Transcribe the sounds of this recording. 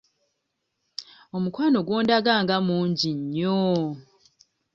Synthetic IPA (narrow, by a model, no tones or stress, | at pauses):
omukwaːnoɡwoːndaɡaːŋɡamuːɲɟiɲːo